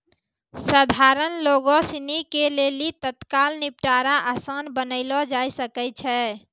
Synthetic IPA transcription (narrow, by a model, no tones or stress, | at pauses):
səd̪ʱaɾənloɡɔsinikelelit̪ət̪kalnipʈaɾaʔəsənbənəɪlɔd͡ʒajsəkɛt͡ʃʰɛ